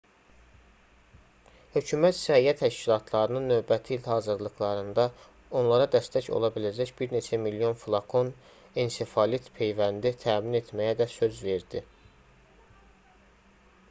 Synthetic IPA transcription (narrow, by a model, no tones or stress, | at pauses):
hø̞cʰymæt̪sæiæt̪ʰæʃcilˠɑt̪ʰlˠɑɾɯnɯnːø̞vbæt̪ʰiːlhɑːzɯɾlˠɯxlˠɑɾɯnd̪ɑ | o̞nlˠɑɾɑd̪æst̪æco̞̰lˠɑbilæd͡ʒæçbiɾne̞t͡ʃʰæmiljo̞nfulˠɑkʰo̞n | ensefɑlit̪pʰe̞jvænd̪it̪ʰæːmine̞t̪ʰmæjæd̪æsø̞zve̞ɾd̪̥i